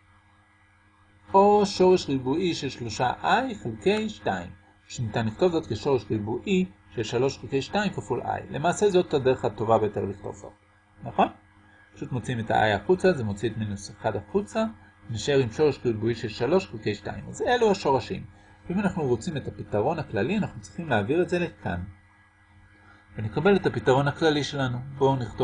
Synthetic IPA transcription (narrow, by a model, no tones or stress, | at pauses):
ʔo̞ʃo̞ʁe̞ʃʁibuiʃelʃlo̞ʃaʔajχelke̞jʃtaḭm | ʃunitanliχto̞vzo̞tkeʃo̞ʁeʃʁibuʔiʃelʃalo̞ʃχelke̞jʃtaimkafulʔa̰jle̞maːse̞zo̞tade̞ʁe̞χato̞vabejote̞ʁliχt̪o̞̰vz̥o̞̰t | naχo̞n | pḁʃutmo̞t͡siimeta̰ʔa̰jaχut͡sazemo̞t͡sietminuseχadaχut͡sa | naʃeʁimʃo̞ʁeʃɡilbuiʃe̞lʃalo̞ʃχuke̞jʃta̰ḭma̰ze̞luaʃo̞ʁaʃḭm | veimanaχnuʁo̞t͡sime̞tapitaʁo̞naklalianaχnut͡sʁi̥χimleːviʁetze̞lekʰa̰n | vene̞kabe̞letapitaʁo̞nhaklaliʃe̞lanubo̞niχto